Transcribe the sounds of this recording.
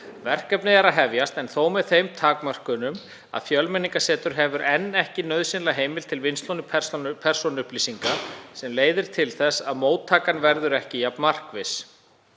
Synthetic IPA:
vɛr̥kɛpnɪɛɾaðɦɛvjast̪ɛnθowmɛðθejmt̪ʰaːkmar̥kʏnʏm | a̰ðfjœlmɛniŋkasɛːt̪ʏɾ̥ɦɛvʏɾʔɛnːɛhcɪnœðsɪnlaɦeːjmɪlt̪ʰɪlvɪnst̪lownɪspʰɛr̥sɔnʏhpliːsiŋkasɛmleːjðɪɾ̥t̪ʰɪlθɛsːaðmoːwt̪ʰːaːkanvɛɾðʏɾɛhcɪjapnmar̥kvɪs

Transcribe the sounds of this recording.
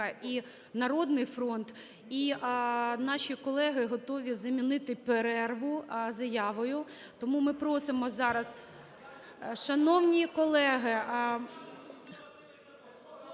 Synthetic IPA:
ɐi | nɐɾɔd̪nɪjfɾɔnt̪ | i | nɑʃʲikɔlˠɛɦɪɦɔt̪ɔʋʲizɐmʲinɪt̪ɪpeɾɛrʋʊzɐjɑʋɔjʊ | t̪ɔmumɪpɾɔsɪmɔzɑɾɐz | ʃɐnɔwnʲikɔlˠɛɦɪ

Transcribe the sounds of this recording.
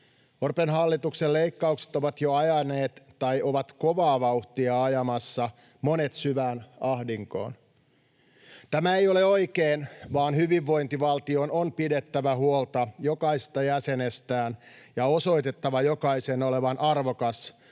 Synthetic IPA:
orpenɦɑlːit̪uksele̞ikːɑukse̥t̪oʋɑt̪joɑjɑne̞ːt̪ːɑjʔoʋɑt̪ko̞ʋɑːʋɑuht̪iɑɑjɑmɑsːɑ | mo̞ne̞t̪syʋæːnɑhdiŋko̞̰ːn | t̪æmæejo̞le̞o̞ikeːnʋɑːnhyʋiʋːo̞jnt̪iʋɑlt̪io̞nonpide̞t̪ːæʋæɦuolt̪ɑjo̞kɑise̥st̪ɑjæse̞nest̪æːnjɑo̞so̞it̪e̞t̪ːɑʋɑjo̞kɑiseno̞le̞ʋɑnʔɑrʋokɑs

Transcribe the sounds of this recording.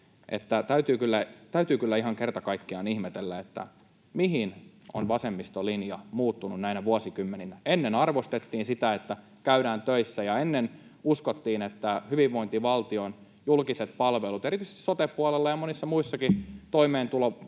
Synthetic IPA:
ʔḛt̪ːæt̪æyt̪yːkylːæt̪æyt̪yːkylːæiɦɑŋkert̪ɑkɑikːiɑnihmet̪elːæet̪ːæ̰ | miɦino̰nʋɑsemːist̪olinjɑmuːt̪ːununnæinæʋuɑsikymːeninæenːenɑrʋost̪et̪ːiːnsit̪æet̪ːæ | kæyɾæːnt̪øisːæjɑenːen | uskot̪ːiːnet̪ːæhyʋiʋʋoint̪iʋɑlt̪ion | julkiset̪pɑlʋelut̪eɾit̪yise̥st̪i̥sot̪epːuɑlelːɑjɑmonisːɑmuisːɑkit̪oimeːnt̪ulo

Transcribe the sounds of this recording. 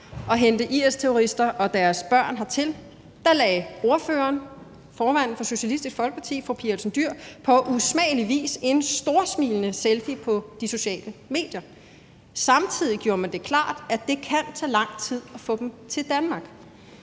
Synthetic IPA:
ʔɒ̽ɦend̥əʔiest͡sʰeo̝ʁisd̥ɐʔɒ̽d̥æɐsb̥ɶɐ̰nɦɑ̈t͡sʰe̝l | d̥ɑ̈lɛo̝ɐføːɐːn | fɒːmæn̰ð̩fɒ̽so̝ɕælisd̥isɡ̥fɒ̽lɡ̥əpʰɑ̈t͡sʰḭːfʁupʰiɐlsn̩d̥yɐ̰pʰɒ̽ʔusmɛ̰ːliʋḭːse̝nsd̥o̝ɐsmiːlənəselfipʰɒ̽d̥iso̝ɕɛ̰ːləme̝̰ːd̥jɐ | sɑ̈mt͡sʰið̰ˠiɡ̥jo̝ːɐmænd̥e̝kʰlɑ̰̈ːd̥æd̥e̝kʰænt͡sʰɛ̰ːlɑ̈ŋ̰t͡sʰið̞̰ˠɒ̽fɔ̰̽ːd̥emt͡sʰe̝ld̥ænmɑ̈ɡ̥

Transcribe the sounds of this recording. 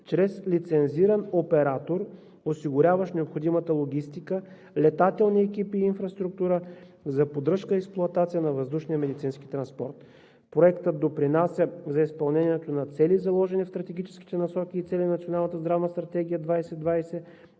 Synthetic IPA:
t͡ʃɾɛslit̪sɛnziɾənopɛɾat̪oɾ | osiɡʊɾʲavəʃnɛopxod̪imət̪əlˠoɡʲist̪ikə | lɛt̪at̪ɛlˠniɛkipiːnfɾɐst̪ɾuk̚t̪uɾə | zɐpod̪ɾɤʃkəɛksplˠʊɐt̪at̪sijənɐvəzd̪uʃnijəmɛd̪it̪sinski̥t̪ɾɐnspɔ̰ɾt̪ | pɾoɛkt̪əd̪opɾinasʲjəzɐispɐlˠnɛnʲiɛt̪onɐt̪sɛlizɐlˠɔʒɛnifst̪ɾɐt̪ɛɡ̟ʲit͡ʃɛ̥ski̥t̪ɛnɐsɔkʲiːt̪sɛlʲinnɐt̪sionalˠnət̪əzd̪ɾavnəst̪ɾɐt̪ɛɡ̟ijəd̪vajsɛd̪vajsɛ

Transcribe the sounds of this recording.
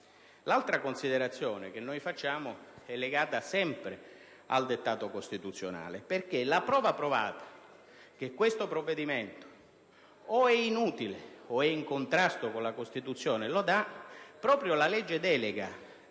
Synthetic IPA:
lalt̪ɾakonsid̪eɾat̪sːjɔːnek̟enːojfat͡ʃːaːmoɛlːeɡaːt̪asɛmpɾe | a̰ld̪et̪ːaːt̪okost̪it̪ut̪sːjona̰ːleperk̟elapɾɔːvapɾova̰ːt̪ḁ | k̟ekːwest̪opɾovːed̪iment̪o̥ | oɛinuːt̪ileoɛiŋkont̪ɾast̪okonlakost̪it̪ut̪sːjɔːnelod̪apːɾɔːpɾjolalɛd͡ʒːed̪ɛːleɡa

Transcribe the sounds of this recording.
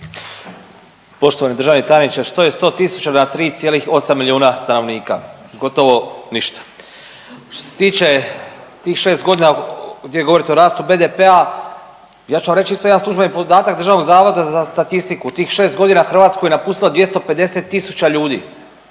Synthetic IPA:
po̞ʃt̪oanid̪ɾrʒaʋnit̪anit͡ʃest̪o̞jest̪o̞ːt̪isu̥t͡ɕanat̪ɾiːt̪sjeːlixo̞samːiliuːnast̪ano̞ʋniːka̰ | ɡo̞t̪o̞ʋo̞niʃt̪ḁ | ʃt̪oose̞t̪iːt͡ʃe̞t̪iːxʃe̞ːst̪ɡo̞d̪inaɡd̪jejɡo̞ʋo̞ɾit̪eo̞ɾaːst̪ube̞d̪epea | jaːt͡ʃuamɾet͡ʃiist̪o̞jd̪ansˠuʒbenipo̞d̪aːt̪akd̪ɾrʒaʋno̞ɡzaːʋod̪azast̪at̪ist̪ikut̪iːxʃe̞ːst̪ɡo̞d̪inaxr̩ʋaːt̪skojenapuːst̪ilad̪ʋje̞st̪o̞pe̞d̪e̞se̞t̪ːisu̥t͡ɕaʎuːd̪ḭː

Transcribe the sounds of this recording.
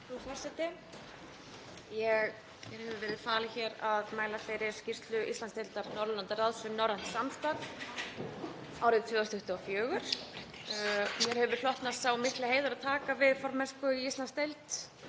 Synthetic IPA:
ufɔɾsɛt̪ɪ | jɛɣ | jɛɾhɛvʏvɛːɾɪðfaːlɪçɛɾaðmaːjlafejɾɪɾ̥scɪst̪lʏʔist̪anst̪ejlt̪aɾnɔɾlant̪aralsʏnɔwɾan̥t̪samst̪a | awɾɪðt̪ʰvɛːðɔst̪ʰʏht̪ʏafjœːɣʏɾ̥ | mjɛɾ̥hɛvʏɾ̥lɔht̪nasawmɪhklɪheːjðʏɾaðt̪ʰaːkavɪðfɔɾmɛskʏist̪lanst̪ejlt̪

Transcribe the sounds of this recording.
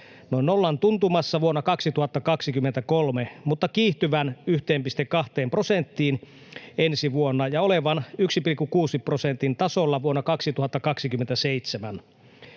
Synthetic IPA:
noinolːɑnt̪unt̪umɑsːɑʋuonːɑkɑksit̪uhɑt̪ːɑkɑksikymːent̪ækolmemut̪ːɑkiːht̪yʋænyht̪eːmpist̪ekːɑht̪eːmpro̞sent̪ːiːn | ensiʋuonːɑjɑoleʋɑnyksipilkːukuːsiprosent̪int̪ɑsolːɑʋuonːɑkɑksit̪uhɑt̪ːɑkɑksikymːent̪æseijt̪semæn

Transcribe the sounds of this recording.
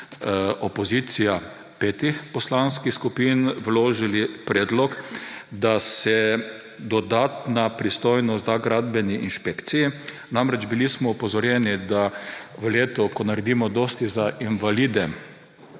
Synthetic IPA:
ʔɔpɔzit̪sija | pet̪ixpɔslanskixskupinʋloːʒilipɾɛːd̪lɔkd̪asɛ | d̪ɔd̪aːt̪napɾist̪ɔjnɔst̪aɡɾad̪bɛniinʃpekt̪siji | namɾɛd͡ʒbilismɔɔpɔzɔɾjɛnid̪aʋəleːt̪ɔkɔnaɾɛd̪imɔd̪ost̪izaʔinʋalid̪ɛ

